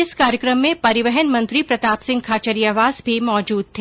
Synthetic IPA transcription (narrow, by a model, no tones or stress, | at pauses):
ɪskaːɾjəkɾəmːẽpɐɾɪʋɛɦənmɐ̃nt̪ɾipɾɐt̪aːpsɪ̃ŋɡ̚kʰaːt͡ʃəɾijaʋaːzbʱimɔːd͡ʒuːd̪̚t̪ʰeː